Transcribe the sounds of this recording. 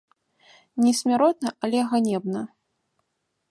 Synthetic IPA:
nʲɛsʲmʲaɾɔt̪̚nɐʔalʲɛɣanʲɛbnɐ

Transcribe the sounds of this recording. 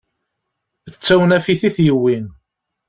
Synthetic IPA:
ət͡sːæwnæfiθiθjəwːin

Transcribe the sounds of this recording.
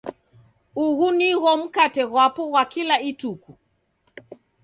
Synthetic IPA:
uɣuniɣɔm̩katɛɣwapɔɣwakilaituku

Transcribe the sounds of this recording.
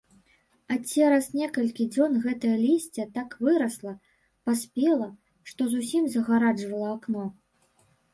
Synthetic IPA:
at͡sʲɛɾɐsnʲɛkɐlʲkʲid͡zʲɔnɣɛt̪ɐjɐlʲisʲt͡sʲɛt̪akvɨɾɐslˠɐ | pasʲpʲɛlˠɐ | ʂt̪ɔzusʲimzɐɣaɾad͡ʐvɐlˠɐaknɔ

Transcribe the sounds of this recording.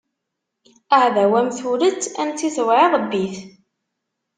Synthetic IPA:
æʕðæwæmθuɾət͡sːænt͡s̪ːiθwʕiðˤbːiθ

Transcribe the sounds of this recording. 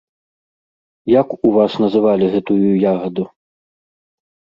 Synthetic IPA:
jakuvasnɐzɨvalʲiɣɛt̪ujujaɣɐd̪u

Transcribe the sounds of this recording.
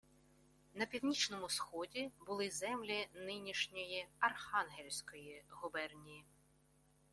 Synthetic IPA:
nɐpʲiwnʲit͡ʃnɔmʊsxɔdʲibʊlˠɪzɛmlʲinɪnʲiʃnʲɔjiɐrxɑnɦelʲsʲkɔjiɦʊbɛrnʲiji

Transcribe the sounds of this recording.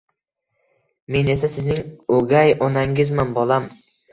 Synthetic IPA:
me̞ne̞sasɪznɪŋoɡʲajɒnaŋɪzmanbɒlˠam

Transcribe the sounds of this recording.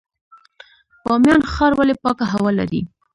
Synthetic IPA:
pɑmjɑnxɑɾwalepɑkaɦawɑla̰ɾḭ

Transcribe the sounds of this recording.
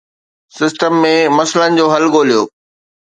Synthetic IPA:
sɪsʈəmːẽmɐslənɪ̆d͡ʑoːɦɐlɡoːlijoː

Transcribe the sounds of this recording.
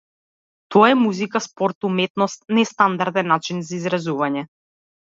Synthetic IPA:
t̪ɔaɛmuzikaspɔɾt̪umɛt̪nɔst̪nɛst̪and̪aɾd̪ɛnːat͡ʃinzaizɾazuvaɲɛ

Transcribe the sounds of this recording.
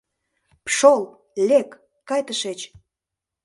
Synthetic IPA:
pʃol | lʲekː | ɑjt̪əʃet͡ɕ

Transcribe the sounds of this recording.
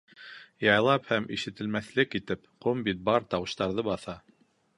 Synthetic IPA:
jɑjlˠɑphæmʔiʃɘ̆t̪ɘ̆lmæθlɘkit̪ɘpqombit̪̚bɑɾt̪ɑwɤ̆ʃt̪ɑɾðɤbɑθɑ

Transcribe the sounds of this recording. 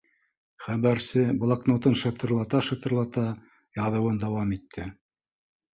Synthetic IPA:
χæβæɾsɘblˠɑknot̪ɤnʃɤ̆t̪ɤ̆ɾlˠɑt̪ɑʃɤ̆t̪ɤ̆ɾlˠɑt̪ɑ | jɑðɤ̆wɤnd̪ɑwɑmit̪ʰːɘ

